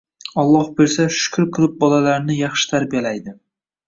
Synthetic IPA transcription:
ɒlˠːɒhbeɾsaʃʊ̥kʰʊɾqʰɨlˠɪp̚bɒlalaɾnɪjɑχʃɪ̥t̪ʰaɾbijalajd̪ɪ

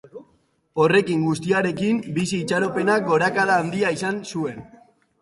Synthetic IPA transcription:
o̞re̞kiŋɡust̪iaɾe̞kimbisiːt͡ʃaɾo̞pe̞nak̚ɡo̞ɾakaðaːnd̪iaisansue̞n

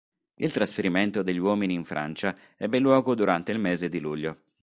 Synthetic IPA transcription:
ilt̪ɾasfeɾiment̪od̪eʎːiwɔːminiːɱfɾʔa̰nt͡ʃa | ɛbːelːwɔːɡod̪uɾant̪eilmeːzed̪iluʎːo

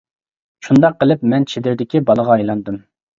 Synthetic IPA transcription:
ʃund̪ɑqːəlˠɨpmɛnt͡ʃʰed̪ɪɾd̪ɪkʲibɑlˠəʁɑɑjlˠɑnd̪ɨm

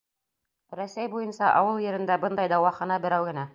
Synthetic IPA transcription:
ɾæsæjbujɤ̆nsɑʔɑwɤlˠjɘ̆ɾɘ̆nd̪æbɤnd̪ɑjd̪ɑwɑχɑnɑbɘ̆ɾæwɡɘ̆næ

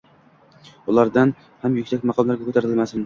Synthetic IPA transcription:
ʊlˠaɾd̪an | hamjʊkʲsakʲmɑqʰɒmlˠaɾɡʲakʰɵt̪ʰaɾɪlmasɪn

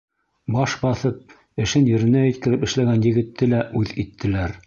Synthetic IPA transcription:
bɑʃbɑθɤp̚ | ɘ̆ʃɘnjɘ̆ɾɘ̆næjɘ̆t̪̚kɘ̆ɾɘpɘ̆ʃlæɡænjɘ̆ɡɘ̆t̪ːɘlæʔʉðit̪ʰːɘ̆læɾ

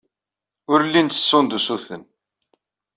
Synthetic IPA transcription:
ʊɾlːint̪ə̥sːond̪usuθən

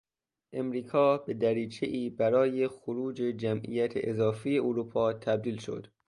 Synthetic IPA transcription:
ʔemɾiːkʰɒːbe̞d̪æɾiːt͡ʃʰeʔiːbæɾɒːjexoɾuːd͡ʒe̞d͡ʒæmʔḭjæt̪ʰḛʔezɒːfijeʔoɾuːpʰɒːt̪ʰæb̚d̪iːlʃo̞̰d̪̥

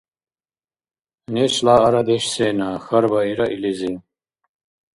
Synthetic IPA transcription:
neɕlaːɐɾɐd̪eɕseːnaːxɐɾbɐiɾɐʔilizi

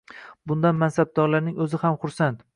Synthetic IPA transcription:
bʊnd̪anmansab̚d̪ɒɾlaɾnɪŋɵzɪhamχʊɾsant̪

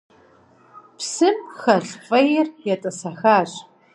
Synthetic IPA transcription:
psɨmxɐɬfʼɐjɪrjɛtʼɐsɐxaːɕʼ

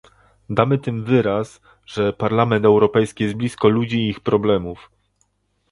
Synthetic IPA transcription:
d̪amɘt̪ɘmvɘɾas | ʐɛpaɾlamɛnt̪ɛwɾɔpɛjskʲijɛzd̪blʲiskɔlud͡ʑiːxpɾɔblɛmuf

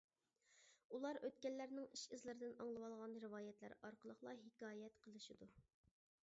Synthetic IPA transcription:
ulˠɑɾøt̪̚kʲɛlːæɾnɪŋiʃizlɪɾɪd̪ɪnɑŋlˠɨwɑlˠʁɑnɾɨwɑːjɛt̪læ̰ɾɑɾqʰəlˠəχlˠɑɦɪkɑːjɛt̪qʰəlˠɨʃid̪u

